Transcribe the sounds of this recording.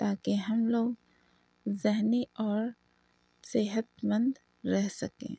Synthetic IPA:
t̪aːkeɦɐmloːɡ | zɪɦniɔːɾ | seɦət̪mə̃nd̪ | ɾɛɦsɐkḛ̃ː

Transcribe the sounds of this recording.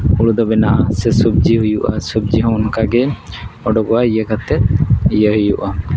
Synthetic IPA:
uɽud̪ɔbɛnaʔasɛsub̚d͡ʒiɦujuʔa̰sub̚d͡ʒiɦɔ̃wnkaɡɛɔɖɔɡɔwaijəkat̪ɛt̪̚ijəɦujuʔa

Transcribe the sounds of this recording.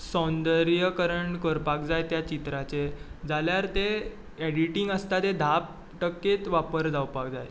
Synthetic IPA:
sɔnd̪əɾjəkəɾəɳkəɾpak̚d͡zajt̪jat͡ɕit̪ɾat͡sed͡zaljaɾt̪e | ɛɽiʈiŋɡəst̪at̪ed̪ʱap̚ | ʈəkːet̪ʋapəɾd͡zawpakd͡zaj

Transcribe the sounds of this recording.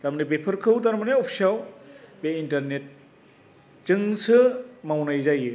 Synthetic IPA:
taɾmanep̬epʰɯɾkʰɯwtaɾmaneɔpʰsawbeintɐɾnet̚ | zɯŋsɯmawnajzajɯ

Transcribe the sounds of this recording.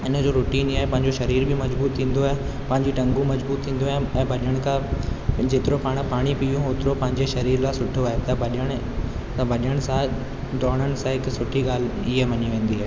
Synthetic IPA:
ɪnəd͡ʑoːɾʊːʈiːniaːɦepɐ̃ɦɪ̃ɲd͡ʑoʃɐɾiːɾbʱɪmɐd͡ʑbuːt̪ʰːĩːn̆d̪oaːɦe | pɐ̃ɦɪ̃ɲd͡ʑiʈɐ̃ŋɡũmɐd͡ʑbuːt̪ʰːĩːn̆d̪oaːɛ̃ːbʱɐɗɪəɽ̃kʰãd͡ʑeːt̪ɪɾopaːɽ̃paːɽ̃ipijũoːt̪ɪɾopɐ̃ɦɪ̃ɲd͡ʑeʃɐɾiːɾlasʊʈʰoaːɦet̪ɐbɐɗəɽ̃ | t̪ɐbʱɐɗəɽ̃sã | ɖ̪ɔːɽ̃əɽ̃sãɦɪksʊʈʰiɠaːl̤ | iɦeʋɐɲiʋẽːn̆d̪iɦaːɦeː

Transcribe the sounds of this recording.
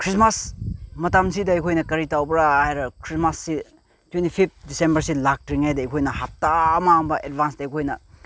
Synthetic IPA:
kʰɾismasmɐtamsidɐɐjkʰojnɐkɐɾitawbɐɾaajɾɐkʰɾismasːi | twentipʰip̚t̚disembɐɾsilak̚tɾiŋajdɐɐjkʰojnɐhap̚taɐmambɐʔedbansdɐɐjkʰojnɐ

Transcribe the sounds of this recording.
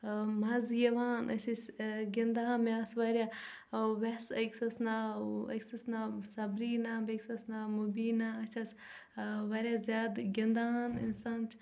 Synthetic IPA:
mɐzjɐʋaːnɐ̰sʲisʲɡʲɐnd̪aːnmaːsʋɐɾʲja | ʋesɐksosnaɐ̰ksusnasɐbɾiːnabeksosnamubiːnaɐsʲɐs | ʋɐɾʲjazʲjaːd̪ɡʲɐnd̪aːnḭnsaːnt͡ʃʰ

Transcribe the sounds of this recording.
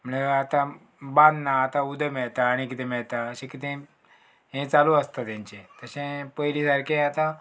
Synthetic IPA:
məeat̪ã | bãnd̪naːt̪ãud̪ʱəmɛɭt̪aːɽ̃ikit̪ẽmɛɭt̪aəɕẽkit̪ẽ | ɦẽt͡salũəst̪at̪jãɲt͡ɕẽt̪əɕẽpəjɾisaɾkʰeat̪ã

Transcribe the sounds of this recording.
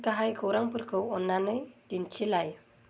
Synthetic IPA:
kaɦajkʰəwɾaŋpɯrkʰəwɔnːanɯjtint͡ʃʰilaj

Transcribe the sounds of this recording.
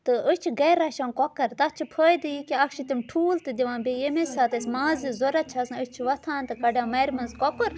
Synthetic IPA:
t̪ɨʔət͡ʃʰiɡɐɾɐʃɐːnkɔkɐɾt̪ɐt͡ʃʰipʰəːjd̪ɨjikiɐkʃit̪imʈʰuːlt̪ɨd̪ʲiʋãːnbejemesaːt̪ɐsʲmãːzizoɾɐt͡ʃʰɐsət͡ʃʰiʋɐt̪ʰaːnt̪ɨkɐɖaːmɐjɾmɐnzkɔkɨɾ

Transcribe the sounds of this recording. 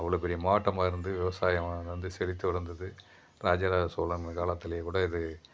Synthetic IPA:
ɐʋːɐɭoːpɛɾɪjɐmaːʈːɐmaːɪɾɯnd̪ɯʋɪʋɐsaːjɐmaːðɐʋɐnd̪ɯsɛlɪt̪ːɯʋɪɽɐnd̪ɐðɯ | ɾaːd͡ʒaːɾaːsoːlɐɐkaːlɐt̪ːɪlɐjɐkuːɽɐɪðɯ

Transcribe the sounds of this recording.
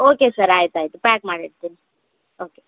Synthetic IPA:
okesəɾaːjt̪ajt̪upækmaɽeʈt̪in | oke

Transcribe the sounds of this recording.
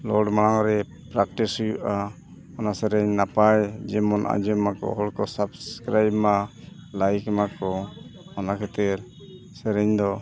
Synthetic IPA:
lɔɖmaɽaŋɾɛ | pɾakʈishujuʔa | ɔnasɛɾɛɲnapajd͡ʒɛmɔnʔa̰d͡ʒɛmakɔ̰ɦɔlkɔsabskɾajbmalajkmakɔmanakʰɛt̪ɛɾ | sɛɾɛɲd̪ɔ

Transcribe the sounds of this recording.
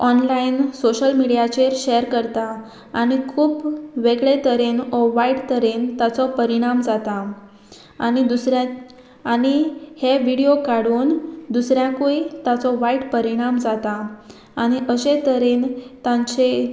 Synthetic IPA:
ɔnlainsoɕəlmiɽijat͡ɕeɾɕeəɾkəɾt̪aː | ɽ̃ikʰuːpʋeɡɭet̪əɾenɔʋaiɽt̪əɾeːnt̪at͡sɔpəɾiɽ̃amd͡zat̪a | a̰nid̪usɾaː | ɽiheʋiɽijokaɽuːnd̪usɾjãkuit̪at͡sɔʋaiʈpəɾiɽ̃amd͡zat̪aː | ɽ̃iʔəɕẽt̪əɾeːnt̪ãɲt͡ɕe

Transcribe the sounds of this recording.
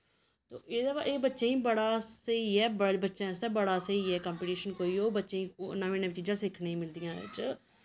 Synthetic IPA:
t̪o̰ːʔeːd̪aːʋa̰ʔeːbətːʃẽːĩːbəɽaːsəiːɛːbəbətːʃẽːseːbəɽaːsəiːɛːkãːmpiːʈiːʃənkoːiːoːbətːʃẽːĩːonaːʋẽːnəʋit͡ʃiːd͡ʒãːsɪkʰneĩːmɪld̪ijãːɪ̰t͡ʃ

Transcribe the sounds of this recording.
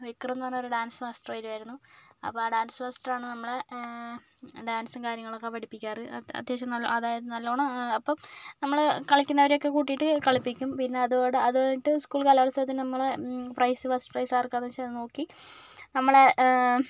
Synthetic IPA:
ʋikːrɐnːɐnoɾuɖaːnsmɐsʈrɐʋaːjɾuaːjɾunːuɐ̰pːoaːɖaːnsɨfɐsʈaːɳɨnɐmːɐɭe | ɖaːnsɨmkaːɾjɐŋːɐɭokːepɐɽipːikʲːaːrɨɐ̰d̪jeɕɐmnɐlːo̰ɐðaːjɐðɨnɐlːoːɳɐɐpːɐmnɐmːɐɭkɐɭɐkʲːunːɐʋɐɾjo̞kːe̞kuːʈ̬ːijiʈːɨkɐɭipːikʲːumpinːe̞ɐðoːɽeɐðɨiʈːɨskuːɭkaːlaːrɐsɐɐt̪ːilnɐmːɐɭprɐjsɨfɐsʈprɐjsaːrkːaːnɐt͡ɕːeno̞ːkːinɐmːɐɭe

